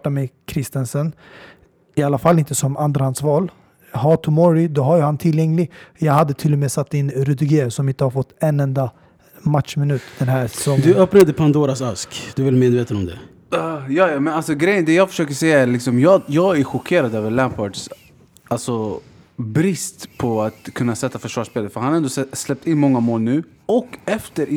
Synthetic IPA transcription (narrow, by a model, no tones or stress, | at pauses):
ʈːamɛkʰɾɪst̪ɛnsən | ɪalːafalːɪnt̪əsɔmand̪ɾahansvɑːl | hɑːt̪ʰʊmɔɾɪd̪ɔɦaɾjɵhant̪ʰɪljɛŋlɪɡjɑːɡhad̪ːət̪ʰɪlːɔmeːsat̪ːɪnɾɵd̪ɾɪɡeːsɔmɪnt̪əhaɾfɔt̪ːɛnːɛnd̪a | mat̪ʂmɪnʉ̟ːt̪d̪̥ɛnɦæːɾsɛ̥sɔŋd̪ɵœpnad̪əpʰand̪oːɾasaskd̪̥ɵvɪlmeːd̪veːt̪ənɔmd̪ɛ̰ | jɑːjɑmɛnalsɔɡɾɛjːənd̪ɛjɑːfœ̥ʂøːkəʂɛjːaæɾlɪksɔmjɑːjɑːɡæɾɧʊkʰeːɾad̪øːvəɾɭæmpʰɔʈs | alsɔ | bɾɪst̪pʰɔat̪kʰɵnːasɛt̪ːafœʂvɑːʂpeːləɾfœɾhanɛnd̪oɛslɛp̚t̪ɪnːmɔŋːamoːlnʉ̟ː | ɔkːɛft̪əɾʔ